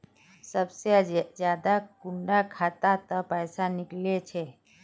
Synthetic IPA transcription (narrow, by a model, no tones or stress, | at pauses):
səbsed͡ʒjad̪akuɳɖakʰat̪at̪əpəjsaniklet͡ʃʰe